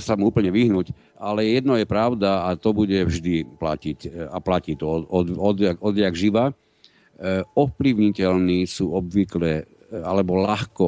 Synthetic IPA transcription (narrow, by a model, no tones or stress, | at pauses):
samuuːpl̩ɲɛʋiɦnuc | alɛjɛjɛd̪nɔjɛpɾaʊd̪aːt̪ɔbuɟɛvʒd̪ipla̰cicaplaciːt̪ɔɔɔd̪aɡɔd̪ɪaɡʒiʋa | ɔfpliʊɲicɛlniːsuːɔbʋiklɛ | alɛbɔlaxkɔ